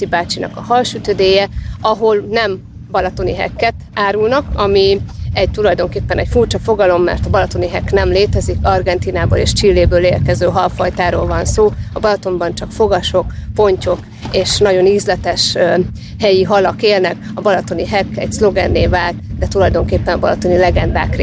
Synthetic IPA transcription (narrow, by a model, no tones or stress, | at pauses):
ibaːt͡ʃinɒ̰kɒhɒlʃyt̪ød̪eːjɛɒɦo̞lnɛm | bɒlɒt̪o̞niɦɛ̰kːɛt̪aːɾulnɒkɒmiɛɟ̚t̪ulɒjd̪o̞ŋkeːpːɛnɛcfurt͡ʃɒfo̞ɡɒlo̞mːɛ̰rt̪ɒbɒlɒt̪o̞niɦɛknɛmleːt̪ɛzikɒrɡɛnt̪iːnaːbo̰ːlḛːʃt͡ʃilːeːbøːleːrkɛzøːɦɒlfɒjt̪aːɾoːlvɒnsoːɒbɒlɒt̪o̞mbɒnt͡ʃɒkfo̞ɡɒʃo̞kpo̞ɲco̞k | eːʃnɒɟo̞nizlɛt̪ɛʃ | hɛjiɦɒlɒkeːlnɛk | ɒbɒlɒt̪o̞niɦɛkɛ̰ɟslo̞ɡɛnːeːlvaːlt̪d̪ɛt̪ulɒjd̪o̞ŋkeːpːɛnɒbɒlɒt̪o̞nilɛɡɛnd̪a̰ːkre